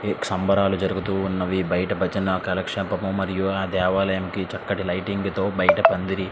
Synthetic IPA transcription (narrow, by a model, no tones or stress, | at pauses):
eksɐmbʱɐɾaːlud͡ʒɐɾuɡut̪uːnːɐʋibɐjɐʈɐbɐt͡ʃɐnɐkɐlɐkʂɐpɐmumɐɾijuaːd̪ɛːʋaːlɐjɐmkit͡ʃɐkːɐʈilɐjʈiŋɡut̪o̞ːbɐjɐʈɐpɐnd̪iɾi